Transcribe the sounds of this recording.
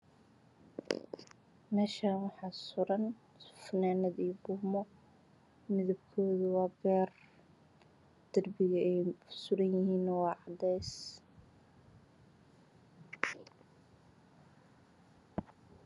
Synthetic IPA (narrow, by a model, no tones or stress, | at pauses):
mɛːʃanwɑħɑːsʊɾɐn | fɐnaːnɐðiːbʊmɔ | mɪðɐbkʰɔːðɐwɑːbɛːr | d̪̥ɐrbɪjɐɛjsʊɾɐnjɪhiːnwɑːʕɑd̪ɛjs